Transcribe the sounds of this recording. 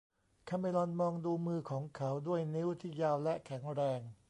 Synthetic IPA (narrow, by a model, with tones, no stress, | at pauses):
kʰa˧˩ma˧˩jlɔ˧nmɔː˧ŋduː˧mɯː˧kʰɔː˩˦ŋkʰa˦˥wdu˥˩əjni˦˥wt̪ʰiː˥˩jaː˧wlɛ˦˥kʰɛ˩˦ŋɾɛː˧ŋ